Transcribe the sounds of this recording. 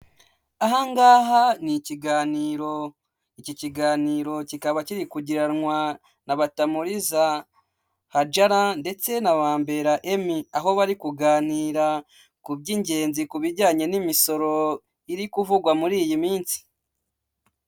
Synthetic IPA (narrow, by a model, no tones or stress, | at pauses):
aɦaŋɡaːɦaniciɡaːniːɾo̞ | icociɡaːniːɾo̞cikaβaciɾikuɟiɾanŋwa | naβatamuɾiza | had͡ʒaɾande̞t͡se̞naβaːmbe̞ɾaʔemiaɦo̞βaɾikuɡaːniːɾa | kubɟiɲɟe̞ːnzikuβiɟaːɲe̞nimiso̞ɾo̞ | iɾikuvuɡwamuɾiːjimiːnsi̥